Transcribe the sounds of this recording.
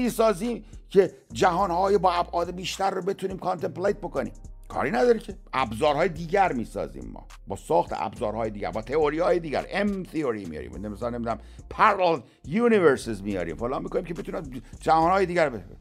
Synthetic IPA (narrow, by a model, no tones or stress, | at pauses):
iːsɒːziːmcʰe̞ | d͡ʒæɦɒːnhɒːjebɒːæbʔɒːd̪ebiːʃt̪æɾːobe̞t̪ʰuniːmkʰɑnt̪emplejt̪̚bokonḭːmkʰɒ̰ːɾiːnæd̪ɒːɾecʰeʔæbzɒːɾɦɒːjed̪iːɟæɾmiːsɒ̰ːzḭːmːɒ̰ː | bɒ̰ːsɒːxt̪ʰḛæ̰bzɒːɾhɒːjed̪iːɡɟæ̰ɾbɒːt̪ʰeoɾiːɒːjed̪iːɟæ̰ɾemt̪ʰioɾimijɒ̰ɾḭmnemisɒːlnemid̪unæm | pʰæɾel | juːniveɾsezmijɒ̰ːɾḭːmfolɒːnmːiko̞niːmcʰebet̪unæd͡ʒæhɒːnhɒːjed̪iːɟæɾbe